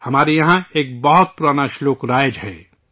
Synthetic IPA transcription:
hɐmaːɾejɐɦãeːk̚bɐɦʊt̪̚puɾaːnaʃloːkɾaːjd͡ʒɦɛː

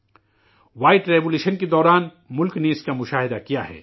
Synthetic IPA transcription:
ʋaːɪʈɾeːboːluːʃənked̪ɔːɾaːn | mʊlkneɪskamʊʃaːɦɪd̪akijaɦɛ̰ː

